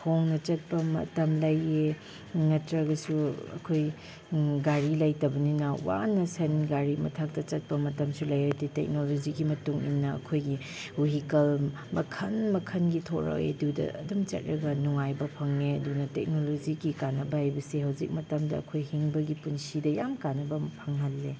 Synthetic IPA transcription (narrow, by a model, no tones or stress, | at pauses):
hʰoŋnɐt͡ʃɐt̚pɐmɐ̰tɐmlɐje | nɐtɾɐɡɐsuɐ̰kʰoj | ɡaɾilɐjtɐbɐninɐwa̰nɐsɐnɡaɾimɐtʰak̚tɐt͡ʃɐt̚pɐmɐtɐmsulɐjɐtitḛk̚nolod͡ʒiɡimɐtuŋḭnːɐɐ̰kʰojɡi | uɦikɐl | mɐkʰɐnmɐkʰɐnɡitʰoɾɐ̰ḛdudɐ̰ɐ̰dɐmt͡ʃɐ̰t̚ɾɐɡɐnuŋajbɐpʰɐŋeɐdunɐtek̚nolod͡ʒiɡikanɐbɐhajbɐseɦawzik̚mɐtɐmdɐ̰ːkʰojhiŋbɐɡipunsidɐjamkanɐbɐpʰɐŋɦɐlːe